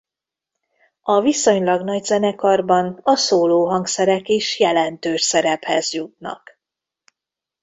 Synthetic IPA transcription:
ɒviso̞ɲlɒɡn̪ɒɟzɛnɛkɒrbɒnɒsoːloːɦɒŋksɛɾɛkeːʃjɛlɛnt̪øːʃsɛɾɛphɛzjut̪̚nɒ̰k

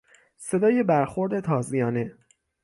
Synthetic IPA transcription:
se̞d̪ɒːje̞bæɾxoɾd̪e̞t̪ʰɒːzijɒːne̞

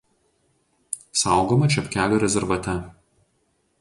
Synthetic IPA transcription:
sɑˑʊɡoːmɐt͡ʃʲɛpʲkʲæːlʲoːɾʲɛzʲɛɾʋɐt̪ʲɛ

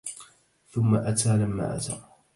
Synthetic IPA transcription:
θʊmːaʔat̪ʰaːlamːa̰ːʔa̰t̪a̰

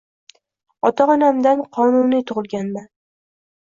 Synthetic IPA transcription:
ɒt̪ʰaɒnamd̪anqʰɒnunijt̪ʰʊʁɨlˠɡʲanman

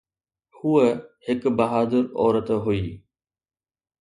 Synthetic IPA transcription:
huehɪkbɐɦaːd̪əɾɔ̰ːɾət̪ɦuiː

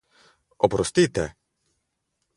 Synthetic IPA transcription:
ɔpɾɔst̪it̪ɛ̰

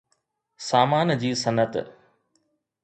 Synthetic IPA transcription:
saːmaːnd͡ʑiːsɐnət̪

